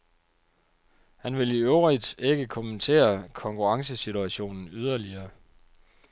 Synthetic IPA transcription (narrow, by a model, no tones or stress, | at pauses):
hænʋe̝liøʊʁid̥e̝ɡ̥əkʰomənt͡sʰe̝̰ːɐkʰɒ̽ŋkʰuʁɑ̈ŋs̬əsit͡sʰuæɕo̝̰ːnn̩yð̞ˠɐliɐː